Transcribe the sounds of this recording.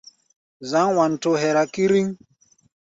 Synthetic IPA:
za˨˦ŋwa˨n̩˨to˨ɦɛ˨ɾa˨ki˦ɾi˦ŋ

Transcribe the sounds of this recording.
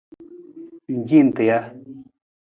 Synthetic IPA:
ɲd͡ʑi˨nt̪ə˨ja˨

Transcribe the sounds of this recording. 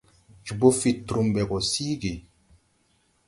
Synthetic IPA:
t͡ʃu˨bo˦fi˨tːɾu˨mbɛ˨ɡɔ˨si˦ɡi˨

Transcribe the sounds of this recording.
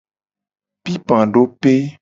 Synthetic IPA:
pi˦pã˨ɖo˦pe˦

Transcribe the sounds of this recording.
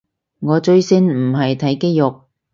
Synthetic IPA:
ŋɔː˨˧t͡ʃɵ˧ɥsɪ˥nm̩˨˩ɦɐ˨jt̪ʰɐ˨˥jke˥jjʊ˨k̚

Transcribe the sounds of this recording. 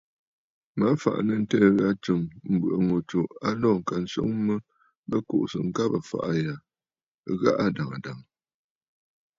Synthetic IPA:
ma˨˦fa̰˨ʔnə˨n̩˦tɛ˦˨ɣa˦t͡ʃə˨mm̩˨bə̰˨ʔə˨ŋo˨t͡ʃo˨ʔa˦lɔː˦˨ŋ̩˨ka˨n̩˦so̰˦ŋmə˦ | mə˦ko̰˨ʔsə̰˨ŋ̩˦ka˦pə˨fa̰˨ʔa˦ja˨ | ɣa̰˦ʔa˦da˨ŋa˨da˨ŋ

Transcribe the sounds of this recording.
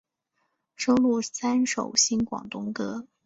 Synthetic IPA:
ʂo˥ʊlu˥˩sa˥nʂo˨˩ʊɕi˥nkwɑ̰˨˩ŋt̪ʊ˥ŋkɤ˥

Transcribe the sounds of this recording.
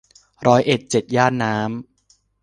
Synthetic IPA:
ɾɔː˦˥jʔe˨˩t̪̚t͡ɕe˨˩t̪̚jaː˥˩nːaː˦˥m

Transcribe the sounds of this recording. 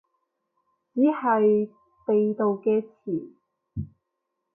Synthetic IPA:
t͡siː˨˥hɐ˨j | p̪e˨˧jt̪o˨wkɛː˧t͡sʰiː˨˩n

